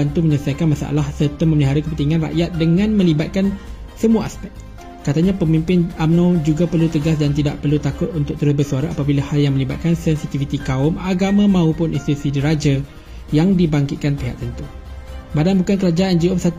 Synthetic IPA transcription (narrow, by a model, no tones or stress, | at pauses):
ant̪uməɲəsakanmãsa̰a̰lahsət̪əmːə̃məliɦaɾəkəpənt̪iŋãnra̰ʔjat̪̚dəŋãnmə̃libat̪̚kan | səmuaʔaspɛk̚t̪̚ | kat̪aɲapəmimpɪnamnõd͡ʒuɡapərlut̪əɡasdant̪ida̰ʔpərlut̪akʊt̪̚unt̪ʊk̚t̪əɾəbəsuaɾaʔapabilahaljaŋmə̃liba̰t̪̚kansɛnsit̪ifit̪ikaʊmaɡamãmãupʊnĩnst̪it̪usidiɾad͡ʒa | jaŋdibaŋkɪt̪̚kanpeɦa̰ʔ̚t̪ənt̪u | badanbukankəɾad͡ʒaʔand͡ʒiopsat̪